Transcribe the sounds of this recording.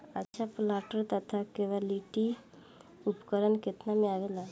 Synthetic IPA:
ətːʃʰaplaʈəɾt̪ət̪ʰakeʋaliʈi | upkəɾənket̪namẽaʋela

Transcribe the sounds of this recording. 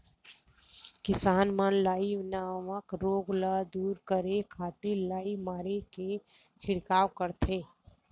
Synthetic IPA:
kɪsaːnmənlaːiʋnaməkɾoːɡləd̪uːɾkəɾekʰaːt̪ilaːimaːɾeke | t͡ʃʰɪɽkaːʋkəɾt̪ʰeː

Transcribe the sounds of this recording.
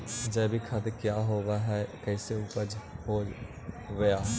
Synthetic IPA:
d͡ʒɛːbʱikʰət̪kjaːɦoːʋaɦɛkɛːseuːpəd͡ʒhoː | ɡɐjaːɦ

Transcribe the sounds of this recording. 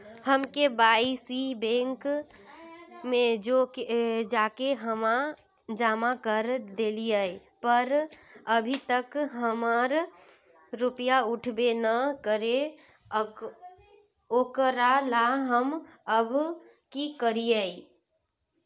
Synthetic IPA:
həmkebaːisibẽːŋk | mẽd͡ʒoked͡ʒaːkeɦəma | d͡ʒaːmakəɾd̪eːliəi | pəɾəbʱit̪əkɦəməɾ | ɾʊpjaʊʈʰbenəkəɾe | oːkəɾalaɦəməb | kikəɾiəi

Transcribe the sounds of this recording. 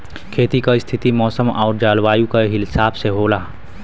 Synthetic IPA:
kʰeːt̪ikaɪst̪ʰɪt̪imɔːsəmɔːɾd͡ʒaːlʋaːjukaɦɪlsaːbseɦoːlaː

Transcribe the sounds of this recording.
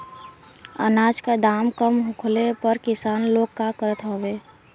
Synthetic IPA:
ə̰naːd͡ʒkad̪aːmkəmɦʊ̃kʰlepəɾkɪsaːnloːɡ̚kakəɾət̪ɦoːʋeː

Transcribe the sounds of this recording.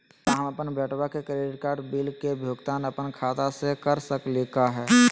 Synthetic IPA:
t̪aɦə̃mɐpənbɛːʈwakekɾeːɖɪʈ̚kaːɾɖbiːlkebʱjoːɡt̪aːnəpənkʰaːt̪asekəɾsəklekaɦɛː

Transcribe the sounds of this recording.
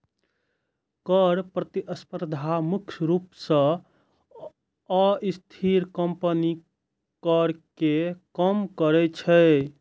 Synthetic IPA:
kəɾpɾət̪iʔəspəɾd̪ʱamukʰjɾupsə̃ | əist̪ʰiɾkəmpəni | kəɾkekəmkəɾɛt͡ʃʰɛ

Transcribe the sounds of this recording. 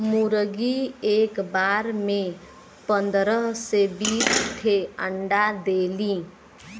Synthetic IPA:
muɾəɡiekbaɾme | pənd̪ɾəɦsebist̪ʰeəɳɖad̪eli

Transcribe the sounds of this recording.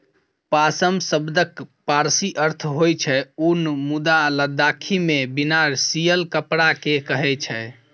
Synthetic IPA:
pasəmsəbd̪əkpaɾsiʔəɾt̪ʰɦojt͡ʃʰɛunmud̪aləd̪akʰimebinaɾsijəlkəpɽakekəɦɛt͡ʃʰɛ

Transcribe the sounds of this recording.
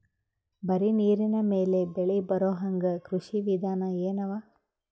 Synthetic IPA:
bɐɾiniːɾinɐmeːle̞beɭibɐɾoːɦɐŋɡɐkɾuʂiʋid̪ʱaːnɐeːnɐʋaː

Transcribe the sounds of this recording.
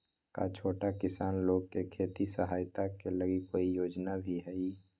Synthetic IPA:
ka̰t͡ʃʰoːʈakɪsaːnloːɡ̚kekʰeːt̪isəɦaːjt̪akeləɡikoːijoːd͡ʒnabʱiɦɛi

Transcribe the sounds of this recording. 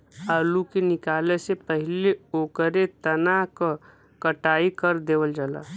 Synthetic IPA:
aːlukenɪkaːlesepəɦɪleoːkəɾet̪ənak | kəʈaːikəɾd̪eːʋəld͡ʒala̰

